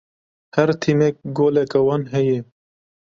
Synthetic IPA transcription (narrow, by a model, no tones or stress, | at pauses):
hɛɾt̪ʰimɛk̚ɡoːlɛkawɑːnɦɛje